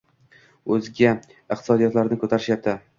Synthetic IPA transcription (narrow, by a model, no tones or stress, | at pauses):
ɵzɡʲa | ɪqt̪ɪ̥sɒd̪ijɒt̪laɾnɪkʰɵt̪ʰaɾɪʃjap̚t̪ʰɪ